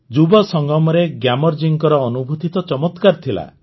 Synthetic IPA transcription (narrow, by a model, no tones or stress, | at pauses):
d͡ʒubɔsɔŋɡɔmɔɾeɡjamɔɾd͡ʒiŋkɔɾɔːnubʱut̪it̪ɔt͡ʃɔmɔt̪kaɾt̪ʰila̰